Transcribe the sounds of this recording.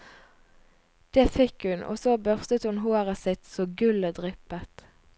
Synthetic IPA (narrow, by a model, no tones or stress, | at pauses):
d̪̥eːfɛkhʉnʔo̰ːsoːbœʁst̪ət̪hʉnɦoːʁəsɪt̪soːɡʉləd̪ʁɪpət̪